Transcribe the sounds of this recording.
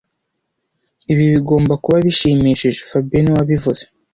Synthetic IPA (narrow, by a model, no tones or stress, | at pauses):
iβiβiɡo̞ːmbakuβaβiʃiːmiʃiʒefabiniwaβivuz̥e